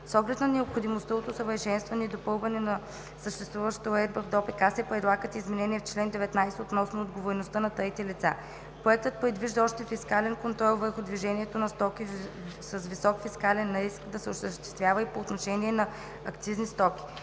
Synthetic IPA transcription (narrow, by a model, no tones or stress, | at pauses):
sɔɡlɛt̪nɐnɛopxod̪imost̪əot̪osəvəɾʃɛnst̪vɐnɛid̪opɤlˠvɐnɛnɐ | səʃt̪ɛst̪vuvəʃt̪əoɾɛd̪̚bəvd̪ɔpɛkasɛpɾɛd̪lˠaɡət̪izmɛnɛniɛft͡ʃlɛnd̪ɛvɛt̪najsɛot̪nɔsnoːd̪ɡovoɾɛnost̪ənɐt̪əit̪ɛlit̪sa̰ | pɾoɛk̚t̪ət̪̚pɾɛd̪viʒd̪əɔʃt̪ɛfiskalɛnkont̪ɾɔlˠvəɾxʊd̪viʒɛniɛt̪onɐst̪ɔkisəsvisɔkfiskalɛnːaɾiskd̪ɐsɛoʃt̪əʃt̪ɛ̥st̪vʲjavəipoːt̪noʃɛniɛnɐ | ɐkt̪siznist̪ɔkʲi̥